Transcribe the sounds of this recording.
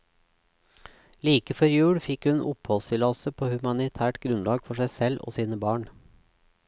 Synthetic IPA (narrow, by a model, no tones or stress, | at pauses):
liːkəfɔɾjʉːɽfɪkhʉnʔʊ̰phɔlsɪlɑsəpʰoːhʉmɑnɪt̪ʰæːʈɡɾʉnlɑːɡfɔʃæɪsɛlʔo̰ːsiːnəbɑːɳ